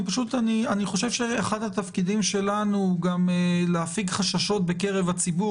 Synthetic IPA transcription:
paʃut̪anianiχo̞ʃe̞vʃeaχadhat̪afkid̪imʃe̞lanuɡameleafiɡχaʃaʃo̞t̚be̞ke̞ʁe̞vat͡sibu

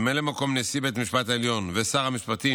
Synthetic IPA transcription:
melemako̞mnesibet̪miʃpat̪haeljo̞nvesaʁhamiʃpat̪i

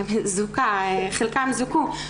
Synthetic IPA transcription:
mzukaeχelkamzuku

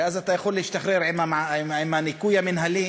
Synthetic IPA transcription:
ʔazat̪ajaxulːɪʃt̪axɾɪɾʕɪmːamaɪʕɪmːanɪkuːjamɪnɦalːiː

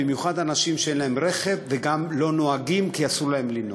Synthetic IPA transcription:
imjuχadanaʃimʃeenlahe̞mʁe̞χe̞vːeɡamlo̞no̞aɡimkiasulahemlino

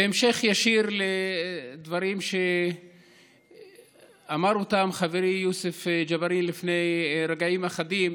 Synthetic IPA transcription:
beemʃe̞χjaʃiɾled̪vaɾimʃe | amaɾot̪amχaveɾijusefd͡ʒavaɾinlifne̞jɾaɡaimaχad̪im

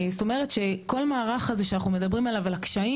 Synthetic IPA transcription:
zt̪o̞meʁetʃe̞ko̞lmaːʁaχazeʃeanaχnume̞d̪ɐbʁimalavalakʃai

